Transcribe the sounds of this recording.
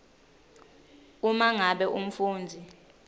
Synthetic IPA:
umaŋaɓɛʔum̩fuːnd͡zʱi

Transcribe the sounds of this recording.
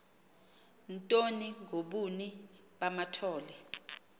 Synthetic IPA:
ntʼoniŋʱoɓuni | ɓamatʰɔːlɛ

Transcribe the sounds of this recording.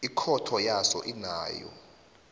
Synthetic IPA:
ikʰɔtʰɔjasɔ̰ʔina̰ːjɔ̰

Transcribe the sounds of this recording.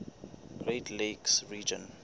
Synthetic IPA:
ɡ̥ɹetʰleksɹiːd͡ʒə̰̃n

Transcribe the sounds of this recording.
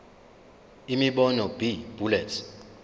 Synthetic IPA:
imiɓɔnɔb̥ib̥ʱulɛtʰ

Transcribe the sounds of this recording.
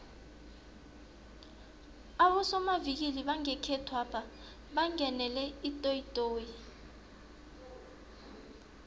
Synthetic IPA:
aɓɔsɔmavik̬iliɓaŋɛkʰɛtʰwapʰa | ɓaŋɛnɛlɛitʼoitʼoːji

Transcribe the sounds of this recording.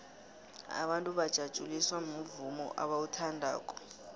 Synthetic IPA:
a̰ɓantʼuβad̥ʒ̥ʱad̥ʒ̥ʱuliswamuvumɔ̰ʔaɓautʰandʱa̰ːkʼɔ̥

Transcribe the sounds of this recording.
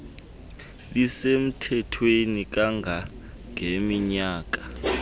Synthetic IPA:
lisem̩tʰɛtʰwenik̬ʼaŋʱa | ŋʱemiɲaːk̬ʼḁ

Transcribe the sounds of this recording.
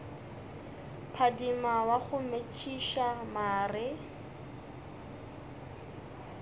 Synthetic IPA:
pʰadimawaɣʊmet͡ʃʰʼiʃamaːrɪ

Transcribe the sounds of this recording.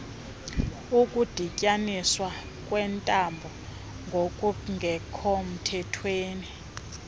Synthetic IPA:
ukʼud̥ʱicʼaniswa | kʼwɛntʼambʱɔ | ŋɡʱokʼuŋʱɛkʰɔm̩tʰɛtʰweːni

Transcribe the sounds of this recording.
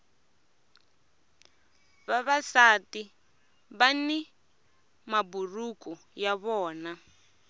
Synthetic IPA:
βaβasati | βani | maburukɔ | jaβɔːna

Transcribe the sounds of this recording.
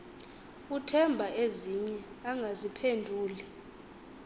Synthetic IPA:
utʰɛmbʱaeziɲɛaŋɡʱazipʰendʱuːli

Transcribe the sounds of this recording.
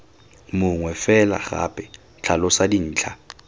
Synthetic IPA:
mʊŋwɛfɛla̰χa̰pʼɛ | t͡ɬʰalɔsadin̩ːt͡ɬʰa

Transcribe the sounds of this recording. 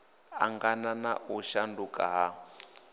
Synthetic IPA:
a̰ŋɡanana̰ʔuʃandukʼaɦa

